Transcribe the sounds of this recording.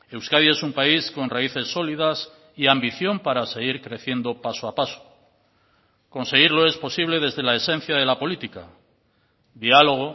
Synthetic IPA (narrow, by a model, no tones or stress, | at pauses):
e̞wskaðie̞sumpaisko̞nraiθe̞sːo̞liðas | iambiθjo̞mpaɾase̞ɣ̞iɾkɾe̞θjend̪o̞pasoapaso̥ | ko̞nse̞ɣ̞iɾlo̞e̞spo̞siβle̞ðe̞zðe̞lae̞sẽ̞n̟θjaðe̞lapo̞lit̪ika̰ | d̪ialo̞ɣ̞o